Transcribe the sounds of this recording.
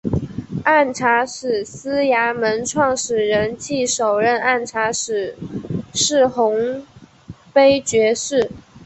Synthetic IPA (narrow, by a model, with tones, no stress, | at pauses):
a˥˩nʈ͡ʂʰa˧˥ʂɻ̩˨˩s̩˥ja˧˥mə˧˥nʈ͡ʂʰwɑ˥˩ŋʂɻ̩˨˩ɻə˧˥nt͡ɕʰi˥˩ʂo˨˩ʊɻə˥˧na˥˩nʈ͡ʂʰa˧˥ʂɻ̩˨˩˦ʂɻ̩˥˩xʊ˧˥ŋ | pe˥ɪt͡ɕɥɛ˧˥ʂɻ̩˥˩